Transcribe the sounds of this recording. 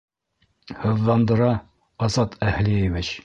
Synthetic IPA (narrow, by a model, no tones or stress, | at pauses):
hɤ̆ðːɑnd̪ɤ̆ɾɑ | ɒzɑt̪ʰæhlievɘt͡ɕ